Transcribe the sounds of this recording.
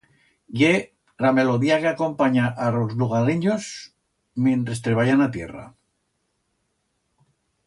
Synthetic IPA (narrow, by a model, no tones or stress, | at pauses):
je | ɾame̞loðiakeako̞mpaɲaʔaɾozluɣ̞aɾiɲos | mje̞nt̪ɾe̞st̪ɾeβajanat̪je̞̰ra̰